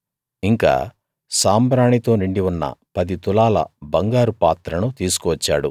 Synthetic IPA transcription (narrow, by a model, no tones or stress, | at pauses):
iŋka̰ː | saːmbɾaːɳit̪o̞ːniɳɖiwunːɐ̰pɐd̪it̪ulaːlɐ̰bɐŋɡaːɾupaːt̪ɾɐnut̪iːsu̥kuʋɐt͡ʃːa̰ːɽṵ